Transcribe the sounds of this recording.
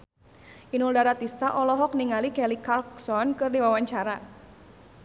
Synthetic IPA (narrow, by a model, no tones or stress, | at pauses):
ʔinuldaɾat̪ist̪aʔɔlɔɦɔk̚niŋalikɛlikalksɔnkɨrdiwawaɲt͡ʃaɾa